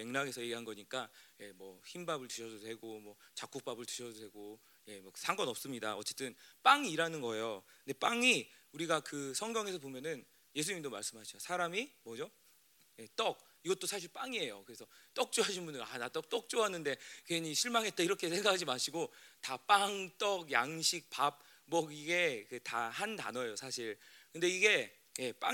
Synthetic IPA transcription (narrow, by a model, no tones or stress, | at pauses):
me̞ŋnaŋe̞sʰʌje̞ɡiɦanɡʌɲik͈aje̞mwʌçimbabɯɭtɯɕʰʌd͡ʑodwe̞ɡomwʌt͡ɕak͈ʰok̚p͈abɯɭtɯɕʰʌdodwe̞ɡo | je̞mwʌsʰaŋɡʌnʌp̚s͈ɯmɲida̰ʌt͡ɕ͈e̞t͈ɯnp͈aŋiːɾanɯnɡʌejonde̞p͈aŋiuɾiɡakɯsʰʌŋɡjʌŋe̞sʰʌbomjʌnɯn | je̞sʰuɲimdoma̰ɭs͈ɯmɦaɕʰiosʰaɾamimʌd͡ʑo | je̞t͈ʌk̚ | iɡʌt̚t͈osʰaɕʰiɭp͈aŋie̞jo̰kɯɾe̞sʰʌt͈ʌk̚t͡ɕ͈uɦaɕʰinmbundɯɾanat͈ʌk̚t͈ʌk̚t͡ɕ͈oɦanɯnde̞kweɲiɕʰiɭmaŋɦe̞t͈eiɾʌkʰe̞sʰe̞ŋɡakʰad͡ʑimaɕʰiɡotap͈aŋt͈ʌɡjaŋɕʰik̚p͈ap̚ | bʌɡiɡe̞kɯtahanda̰nʌjosʰaɕʰiɭkɯnde̞iɡe̞ | je̞p͈a̰